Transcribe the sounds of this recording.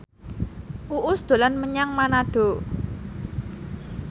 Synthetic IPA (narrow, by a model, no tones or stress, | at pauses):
ʔuʔʊsd̪̥o̤lanməɲaŋmanaɖ̥o̤